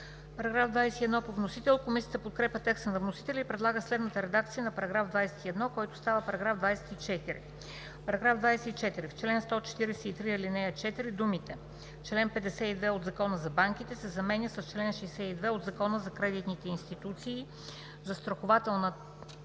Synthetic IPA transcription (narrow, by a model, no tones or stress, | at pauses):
pɐɾɐɡɾavd̪vajsɛt̪iɛd̪nɔpovnosit̪ɛlˠkomisijət̪əpot̪̚kɾɛpʲət̪ɛksənɐvnosi̥t̪ɛlʲəipɾɛd̪lˠaɡəslɛd̪nət̪əɾɛd̪ak̚t̪sijənɐpɐɾɐɡɾavd̪vajsɛ̥t̪iɛd̪nɔkɔjt̪ʊ̥st̪avəpɐɾɐɡɾavd̪vajsɛ̥t̪it͡ʃɛt̪iɾḭ | pɐɾɐɡɾavd̪vajsɛt̪it͡ʃɛt̪iɾift͡ʃlɛnst̪ɔt͡ʃɛ̥t̪iɾɛsɛit̪ɾiɛlinɛət͡ʃɛt̪iɾid̪umit̪ɛ | ft͡ʃlɛnpɛd̪ɛsɛid̪vɛod̪zɐkɔnəzɐbaŋk̟it̪ɛsɛzɐmɛnʲəsəst͡ʃlɛnʃɛjsɛid̪vɛod̪zɐkɔnəzɐkɾɛd̪it̪nit̪ɛinst̪it̪ut̪siː | zɐst̪ɾoxʊvat̪ɛlˠnə